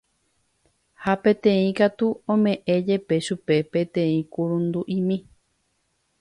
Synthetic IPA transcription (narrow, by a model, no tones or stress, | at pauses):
hapẽ̞t̪ẽĩkat̪uõmẽ̞ʔẽ̞d͡ʒe̞pe̞ʃupe̞pẽt̪ẽĩkuɾũnd̪uʔĩmĩ